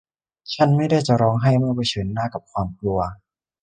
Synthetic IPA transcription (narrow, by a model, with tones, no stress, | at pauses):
t͡ɕʰa˥˩nma˥˩jda˥˩jt͡ɕa˨˧˩ɾɔː˧ŋɦa˥˩jma˥˩˨ba˧˩jt͡ɕʰɤː˩˦nːaː˥˩ka˨˩p̚kʰwaː˧mkʰlu˧ɐ